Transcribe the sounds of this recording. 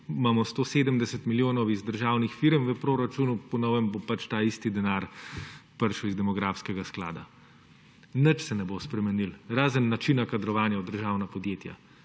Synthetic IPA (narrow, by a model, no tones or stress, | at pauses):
maːmɔst̪oːseːd̪əmd̪ɛsɛt̪miljoːnɔwizd̪əɾʒaːwnixfiɾəmʋəpɾoːɾat͡ʃunupɔnɔwʋɛmbopat͡ʃt̪aːist̪id̪ɛnaːɾpəɾʃəwizd̪ɛmɔɡɾaːfskɛɡaskla̰ːd̪a̰ | nət͡ʃsɛnɛbospɾɛmɛnilɾaːzənːat͡ʃinakad̪ɾɔʋaːnjaud̪əɾʒaːwnapɔd̪jeːt̪ja̰